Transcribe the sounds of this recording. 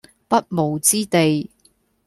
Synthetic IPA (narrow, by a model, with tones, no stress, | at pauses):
pɐ˥t̚mo˨˩wt͡siː˥t̪e˨j